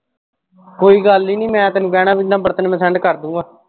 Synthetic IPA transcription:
koːiːɡəlːiːnĩːmɛ̃ːt̪ənũːkɛːɽãːbinãːbəɾt̪ənmɛ̃ːsɛ̃ɳɖkəɾd̪ũːãː

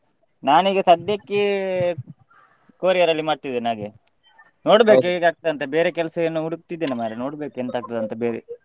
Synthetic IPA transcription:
naːniːɡɐsɐd̪jɐkːi | koːɾijɐɾɐlːimaːɽt̪id̪ːeːnɦaːɡe | no̞ːɽbe̞ːkeɡaːk̚t̪ɐd̪ɐnt̪ɐbeːɾekɛlɐsɐɐnːuuɽuk̚t̪id̪ːeːnimaːɾeno̞ːɽbe̞ːkent̪aːɡ̚t̪ɐd̪ɐnt̪ɐbeːɾḛ

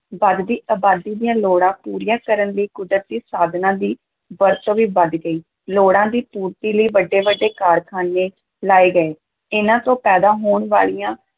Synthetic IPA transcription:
ʋəd̪d̪iːʔaːbaːd̪iːd̪ijãːloːɽãːpuːɾijãːkəɾənləiːkʊd̪ɾət̪̚d̪iːsaːd̪nãːd̪iː | ʋəɾt̪õːʋiːbəd̪ɡəiː | loːɽãːd̪iːpuːɾt̪iːləiːʋəɖːeːʋəɖːeːkaːɾkʰaːneː | laːeːɡəeː | ɪnãːt̪õːpɛːd̪aːɦoːɳʋa̰ːɭijãː

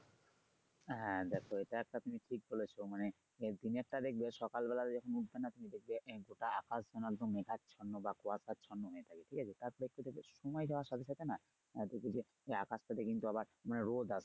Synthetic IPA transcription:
ɦɛ̃d̪ɛkʰoeʈaɛk̚ʈat̪umiʈʰik̚bolet͡ɕʰomane | d̪inek̚ʈad̪ek̚beʃɔkalbɛlat̪ed͡ʑɔkʰonuʈ̚benat̪umid̪ek̚beʔɡoʈaakasd͡ʑɔnalt̪omekatt͡ɕʰɔnːobakoasat͡ɕʰɔnːoɦoet̪ʰakeʈʰikat͡ɕʰet̪aɾpoɾeek̚ʈud̪ekbeʃomajd͡ʑaoaʃɔbesʰat̪ena | d̪ek̚bed͡ʑe | eakast̪at̪ekint̪uaβaɾmaneɾod̪asʰe

